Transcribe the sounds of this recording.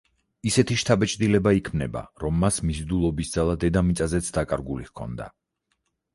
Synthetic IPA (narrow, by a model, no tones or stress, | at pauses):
isɛt̪ʰiʃt̪ʰabɛt͡ʃʼd̪ilɛbaikʰmnɛba̰ɾɔmːasmizd̪ulˠɔbisd̪zalˠad̪ɛd̪amit̪sʼazɛt̪sʰd̪akʼaɾɡulihkʰɔ̰nd̪a̰